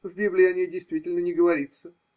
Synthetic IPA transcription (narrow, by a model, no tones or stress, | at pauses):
vʲbʲiblʲɪɐnʲejdʲɪjst̪vʲitʲɪlʲnənʲɪɡəvɐɾʲit̪sə